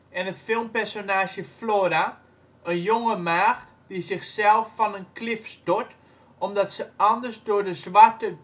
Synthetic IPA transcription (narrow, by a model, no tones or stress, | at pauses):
ɛnətfɪlˠmpɛrsonaːʃjəfloːɾa | ənjoŋəmaːxt | dizɪxsɛlˠfːɔnənklɪfstot | ɔmdɔtsəɔndərsdʊəɹdəzʋatə